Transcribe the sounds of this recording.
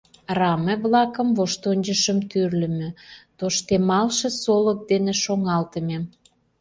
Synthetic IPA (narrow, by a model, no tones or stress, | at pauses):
rɑmeβlɑkə̆mvoʃt̪onʲd͡ʑəʃəmt̪yrlə̆mø̆t̪oʃt̪emɑlʃĕsolək̚d̪enĕʃoŋɑlt̪əmem